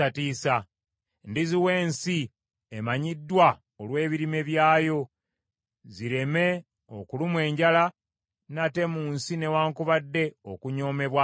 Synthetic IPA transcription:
atiːsa | ndiziwe̞ːnsi | emaɲidːwa | olwe̞ːβiɾime̞βjaːjo̞ | ziɾe̞me̞ | o̰kulumwe̞ːɲɟala | nate̞muːnsine̞waːŋkuβadːe̞o̰kuɲo̞ːme̞βwa

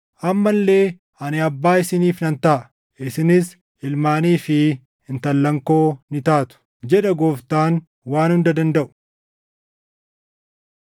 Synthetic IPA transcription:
ʔɐmːɐlːe̞ː | ʔɐnɪɐbːaːɪsɪniːfnɐnt̪ɐ | ɪsɪnɪs | ɪlmaːniːfɪ | ɪnt̪ɐlːɐŋko̞ːnɪt̪aːt̪ʊ̥ | d͡ʒɛᶑɐɡoːft̪aːn | waːnhʊnd̪ɐd̪ɐnd̪ɐʔʊ̥

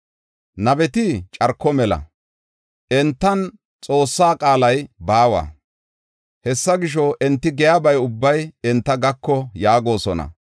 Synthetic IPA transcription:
nɐbɛt̪ɪt͡ʃʼɐɾkːɔmɛlɐ̰ | ʔɛnt̪ːɐn | t͡sʼo̞ːsːaːkʼaːlɐjbaːwɐ̰ | hɛsːɐɡɪʃ̬ɔʔɛnt̪ːɪɡɛjabɐjʊbːɐjɛnt̪ːɐɡɐkːɔjaːɡo̞ːsɔnɐ̰

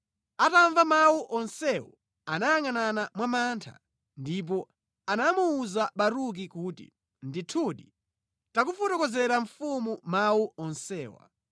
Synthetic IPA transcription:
ataɱvamawuʔɔnsɛwɔ̰ | anajaŋananamwamantʰa̰ | ndip̬ɔ | anamuːzaɓaɾuk̬ikuːtḭ | nditʰuɗi | takufɔtɔkɔzɛɾaɱfumumawuʔɔnsɛːwa̰

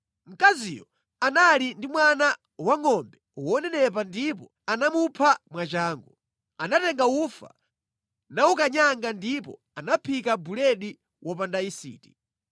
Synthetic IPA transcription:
m̩kazijɔ | analindimwana | waŋɔmbɛwɔnɛnɛp̬andip̬ɔ̰ | anamupʰamwat͡ʃaːŋɡu | anatɛŋɡawufa̰ | naukaɲaŋɡandipɔ̰ | anapʰikabulɛɗi | wʔɔp̬andaisḭːti̥

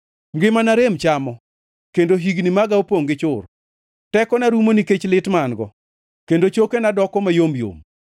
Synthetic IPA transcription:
mɡɪmanaɾemt͡ʃamɔ | kendoɦiɡnimaɡaopoŋɡɪt͡ʃʊr | tɛkɔnaɾumoniket͡ʃlɪtmanɡɔ | kendot͡ʃokenadɔkɔmajomjo̰m

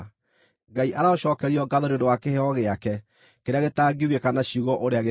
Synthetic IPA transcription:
ɡaiʔaɾaoɕɔːkɛɾiɔɡaðoɾeodowakeheɔɣeakɛ | keɾeaɣetaːɡiuɣekanaɕiuɣɔʔoɾeaɣe

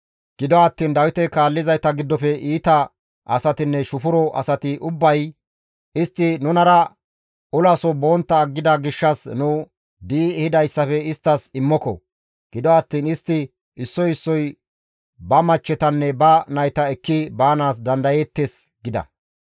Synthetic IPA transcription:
ɡ̥ɪd̪ɔɐt̪ːiːnd̪ɐwɪt̪ɛkaːlːɪzɐjt̪ɐɡɪd̪ːɔfɛʔiːt̪ɐ | ʔɐsɐt̪ɪnːɛʃʊfʊɾɔʔɐ̰sɐt̪ɪʔʊbːɐj | ʔɪst̪ːɪnʊnɐɾɐ | ʊlɐsɔboːnt̪ːɐːɡːɪd̪ɐɡɪʃːɐsnuː | d̪iːhɪd̪ɐjsːɐfɛɪst̪ːɐsɪmːɔkɔ̰ | ɡ̥ɪd̪ɔɐt̪ːiːnɪst̪ːɪ | ɪsːɔjɪsːɔj | bɐmɐt͡ʃːɛt̪ɐnːɛbɐnɐjt̪ɐɛkːɪbaːnaːs̬d̪ɐnd̪ɐjet̪ːes | ɡɪd̪ɐ̰

